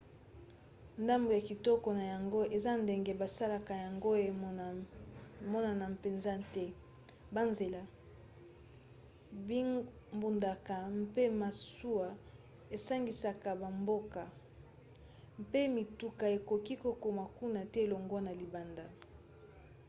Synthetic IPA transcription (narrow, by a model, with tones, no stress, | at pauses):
nda˦mbo˨ja˨ki˨tɔ˦kɔ˨na˨ja˨ŋɡo˦e˨za˦nde˨ŋɡe˨ba˨sa˦la˨ka˨ja˨ŋɡo˦e˨ | mɔ˦na˨na˨pe˨nza˦tɛ˦ | ba˦nze˨la˨˦ | mbu˨nda˨ka˨m˦pe˦ma˨su˦a˨ | e˨sa˦ŋɡi˨sa˨ka˨ba˨mbo˦ka˨ | mpe˦mi˨tu˦ka˨e˨ko˨ki˦ko˨ko˨ma˨ku˦na˨tɛ˦e˨lɔ˨ŋɡɔ˦na˨li˨ba˨nda˨